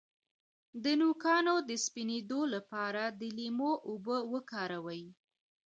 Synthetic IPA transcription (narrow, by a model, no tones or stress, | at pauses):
d̪ənukɑnod̪əspined̪olapɑɾad̪əlimoʔʊbəwəkɑɾawaji